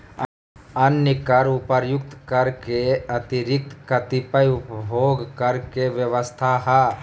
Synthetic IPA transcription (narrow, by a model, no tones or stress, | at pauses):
ɐnjəkɐɾʊpəɾjʊk̚t̪kəɾkeɐt̪iɾɪk̚t̪kɐt̪ipəjʊpbʱoːɡkəɾkeʋjəʋəst̪ʰaɦɛ